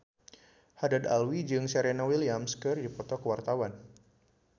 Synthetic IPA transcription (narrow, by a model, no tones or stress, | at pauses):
hadad̪a̰lwid͡ʒɨŋsɛɾɛnawilijamskərdipɔt̪ɔkəwart̪awan